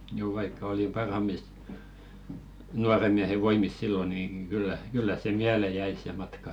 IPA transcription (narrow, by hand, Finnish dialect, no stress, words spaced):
juː ʋɑikːɑ oli pɑrhɑmˑis nuɑremiæhe ʋoimis silːo niːŋ ɡ̊ylːæ kylːæ se miæle jæi se mɑtkɑ